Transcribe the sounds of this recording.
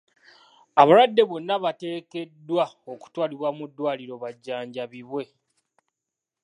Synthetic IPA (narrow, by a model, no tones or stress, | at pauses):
aβaɾwadːe̞βo̞nːaβate̞ːke̞dːwao̞ku̥twaːliβwamudːwaːliɾo̞βaɟːaːɲɟaβiβwe̞